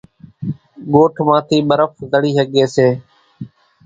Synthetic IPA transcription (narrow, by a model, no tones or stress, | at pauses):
ɠoːʈʰmãːt̪ʰiːɓəɾəfzəɽiːɦəɠeːseː